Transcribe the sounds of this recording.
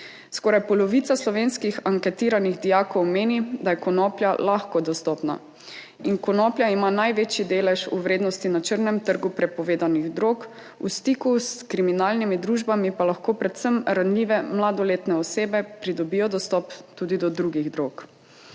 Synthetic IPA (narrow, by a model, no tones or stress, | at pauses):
skɔːɾajpɔlɔʋit̪saslɔʋeːnskixaŋkɛt̪iːɾaniɣd̪ijaːkɔwmeːnid̪ajɛkɔnɔplʲja̰laxkɔd̪ɔst̪ɔpna̰ | inkɔnɔːpljaimanajʋet͡ʃjid̪eːlɛʃuʋɾeːd̪nɔst̪inat͡ʃəɾnɛmt̪əɾɡupɾɛpɔʋeːd̪aniɣd̪ɾoːk | ṵst̪ikuskɾiminalnimid̪ɾuːʒbamipalaxkoːpɾɛt̪səmɾanliʋɛmlad̪ɔleːt̪nɛɔseːbɛpɾid̪ɔbijɔd̪ɔst̪ɔpt̪uːd̪id̪ɔd̪ɾuɡiɣd̪ɾoːk